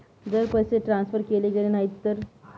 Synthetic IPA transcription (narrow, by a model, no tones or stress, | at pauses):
d͡zəɾpəjseʈɾãnsfəɾkeled͡ʑəɾenaɦit̪ːəɾ